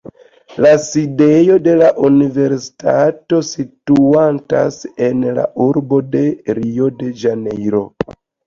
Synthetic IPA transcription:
laside̞jo̞de̞laʔunive̞ɾsi̥tato̞situanta̰se̞nla̰ʔuɾbo̞de̞ɾio̞de̞d͡ʒanejɾo̞̰

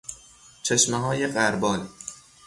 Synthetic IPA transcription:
t͡ʃʰeʃmeɦɒːjeɢæɾbɒːl

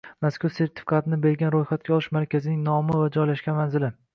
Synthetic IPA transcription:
maskʊɾse̞ɾt̪ʰɪ̥fi̥kʰat̪ʰɪnɪbe̞ɾɡʲanɾojχat̪̚kʲaɒlˠɪʃmaɾkʲazɪnɪŋnɒmɪvad͡ʒɒjlaʃkʲanmanzɪlɪ

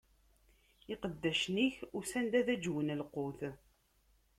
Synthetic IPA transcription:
iqəd̪ːæʃniçʊɾsænd̪æðæd͡ʒwənəlqʊθ

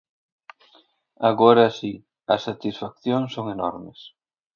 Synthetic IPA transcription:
aɣoɾɐːsi | ɐsat̪isfak̚θjoŋsoŋenɔɾmɪs

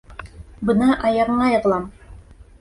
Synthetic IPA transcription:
bɤnɑʔɑjɑʁɤ̆ɴɑjɤ̆ʁlˠɑm

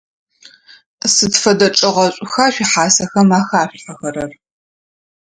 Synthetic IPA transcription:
sɨtfɐdɐt͡ʃʼɨʁɐɕʷʼʊxaːɕʷiħaːsɐxɐmaːxaːɕħɐxɐɾɐr

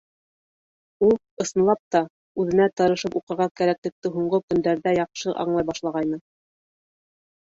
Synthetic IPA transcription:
ulˠ | ɤ̆sɤ̆nlˠɑp̚t̪ɑ | ʉðɘ̆næt̪ɤ̆ɾɤ̆ʃɤpuqɤ̆ɾʁɑkæɾæklɘ̆k̚t̪ɘɦuɴɢɤkɵ̆nd̪æɾðæjɑqʃɤʔɑ̰ɴlˠɑjbɑʃlˠɑʁɑjnɤ

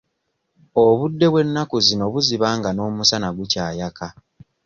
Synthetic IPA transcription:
o̞βudːe̞βwe̞nːakuzino̞βuziβaːŋɡano̞ːmusanaɡucaːjaka

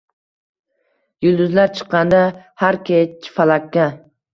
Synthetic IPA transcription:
jʊlˠd̪ʊzlaɾt͡ʃʰɨ̥qːɑnd̪ahaɾkʲʰet͡ʃʰːfalˠakʲːa

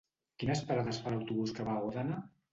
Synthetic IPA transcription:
kinəspaɾaðəsfalawt̪uβuskəβauðana

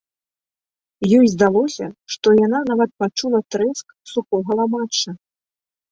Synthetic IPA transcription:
jɔjzd̪alˠɔsʲɐʂt̪ɔjan̪anavɐt̪̚pat͡ʂulˠɐt̪ɾɛsk | sukɔɣɐlˠamat͡ʂːɐ

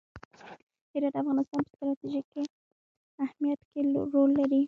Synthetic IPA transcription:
hɪɾɑt̪afɣɑnɪst̪ɑnpə̥st̪ɾɑt̪iʒike | ahmijat̪keɾolːaɾi

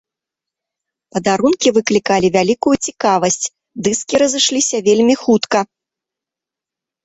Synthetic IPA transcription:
pɐd̪aɾunkʲivɨklʲikalʲivʲalʲikujut͡sʲikavɐsʲt͡sʲ | d̪ɨskʲiɾɐzɨʂlʲisʲɐvʲelʲmʲixut̪kɐ

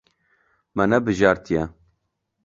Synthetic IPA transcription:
mɛnɛbɨʒɑːɾt̪ijɛ

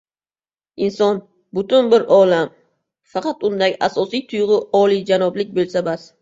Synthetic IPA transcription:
ɪnsɒn | bʊt̪ʊnbɪɾɒlam | fɑqɑt̪ʊnd̪aɡʲʔasɒsijt̪ʰʊjʁɨɒlˠijd͡ʒanɒblɪk̚ʲbolˠsabas

